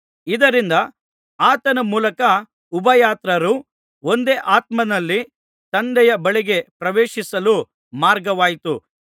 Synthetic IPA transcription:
id̪ɐɾind̪ɐ | aːt̪ɐnɐmuːlɐkɐ | ubɐjaːt̪ɾɐɾu | o̞nd̪eːʔaːt̪mɐnɐlːi | t̪ɐnd̪ɛjɐbɐɭiɡe̞pɾɐʋeːʃisɐlu | maːɾɡɐʋaːjt̪u

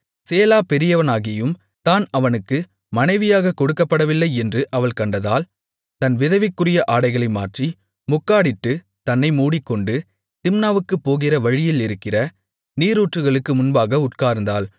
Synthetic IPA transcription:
seːlaːpɛɾɪjɐʋɐnaːɣɪjɯm | t̪aːnɐʋɐnɯkːɯ | mɐnɐɪʋɪjaːɣɐkɔɽɯkːɐpːɐɽɐʋɪlːɐɪɛndrɯʔɐʋɐɭkɐɳɖɐðaːl | t̪ɐnʋɪðɐʋɪkːɯrɪjɐʔaːɽɐɪɣɐɭɐɪma̰ːʈri | mʊkːaːɽɪʈːɯ | t̪ɐnːɐɪmuːɽɪkːɔɳɖɯ | t̪ɪmnaːʋɯkːɯpːoːɣɪrɐʋɐɻɪjɪlɪɾɯkːɪrɐ | niːɾuːʈrɯɣɐɭɯkːɯmʊnbaːɣɐʊʈ̚kaːɾnd̪aːl

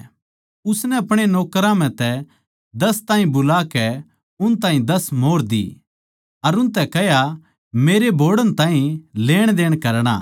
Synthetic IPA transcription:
ʊsnɛɐpɽ̃enoːkəɾãm̤ɛ̃t̪ɛ | d̪ɐst̪ãːɦĩbʊlakɛ | ʊnt̪ãːɦĩd̪ɐsmoːɾd̪ḭ | ɐɾʊnt̪ɛkɛja | meːɾebʱoːɽənt̪ãːɦĩleːɽ̃d̪eːɽ̃kɐɾɽ̃a̰

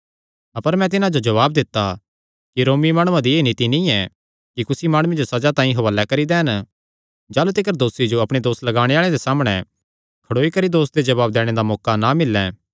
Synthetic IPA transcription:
ɐpəɾmɛ̃t̪̬ɪnãd͡ʒod͡ʒɐʋaːb̚d̪ɪt̪ːa | kiɾoːmimaːɽ̃uãd̪ieːnɪt̪inĩɛ | kikʊsimaːɽ̃ʊẽd͡ʒosɐd͡ʒat̪ãːĩɦɐʋəlːɛkɐɾid̪ɛːn | d͡ʒaːlut̪ɪkəɾd̪oːsid͡ʒoɐpɽ̃ed̪oːslɐɡaːɽ̃eaːɭ̃ẽd̪esaːmɽ̃ɛ | kʰɐɽoːikɐɾid̪oːsd̪ed͡ʒɐβaːb̚d̪ɛːɽ̃ed̪amɔːkanamɪlːɛ̃

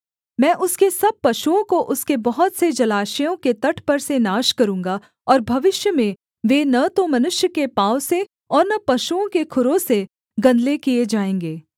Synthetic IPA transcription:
mɛ̃ːʔʊskesɐb̚pɐʃuõkoʔʊskebɐɦɔt̪sed͡ʒɐlaːʃijõket̪ɐʈʰpɐɾsenaːʃkɐɾũːŋɡa | ɔːɾbʱɐʋɪʃjəmẽ | ʋeːnɐt̪omɐnʊʃjəkepaːʊse | ɔːɾnɐpɐʃuõkekʰʊɾõse | ɡɐ̃nd̪lekied͡ʒaːẽːŋɡeː

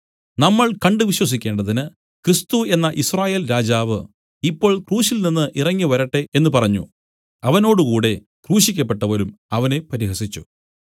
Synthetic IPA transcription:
nɐmːɐɭkɐɳɖɨʋiɕwɐs̬ikʲːe̞ːɳɖɐðinɨ | krist̪ue̞nːɐʔisraːje̞ːlɾaːd͡ʑaːʋɨ̰ | ipːo̞ːɭkruːɕilninːɨʔirɐŋːiʋɐɾɐʈːe̞enːɨpɐrɐɲːṵ | ɐʋɐno̞ːɽukuːɽe̞ | kruːɕikʲːɐpːeʈːɐʋɐɾumɐʋɐne̞pɐɾiɦɐsit͡ɕːṵ

